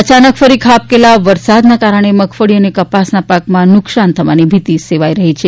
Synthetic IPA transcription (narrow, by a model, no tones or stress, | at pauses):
ət͡ʃanəkfəɾikʰap̚kelaʋəɾsad̪nakaɾəɳ̃eməkʰfəɽiənekəpasnapakmãnʊksant̪ʰəʋanibʱit̪iseʋajɾəɦit͡ʃʰe